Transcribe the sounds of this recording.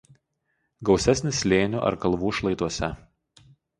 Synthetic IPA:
ɡɒʊsʲɛsʲnʲɪslʲeːnʲʊʔɐ̰ɾkɐlˠʋuːʃlˠɐɪt̪uɔsʲɛ

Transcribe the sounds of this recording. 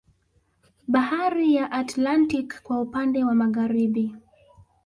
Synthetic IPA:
ɓahaɾijaʔatlantikkːwaupandɛwamaɣaɾiɓi

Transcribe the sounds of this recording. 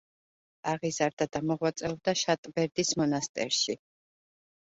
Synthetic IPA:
aʁizaɾd̪ad̪amɔʁwat̪sʼɛɔb̚d̪aʃat̪ʼbɛɾd̪ismɔnast̪ʼɛ̰ɾʃi

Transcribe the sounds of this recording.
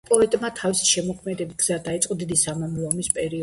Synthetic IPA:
pʼɔɛt̪ʼmat̪ʰavisi̥ʃɛmɔkʰmɛd̪ɛbiɡz̥ad̪ait̪sʼqʼɔd̪id̪isamamlˠɔmispʼɛɾiɔ

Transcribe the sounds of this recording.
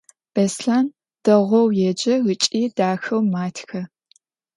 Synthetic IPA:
b̥esɬaːn | d̥ɐʁʷɔwjɛd͡ʒɐɣɨt͡ʃʼiːd̥aːxɐwmaːtʰxɐ

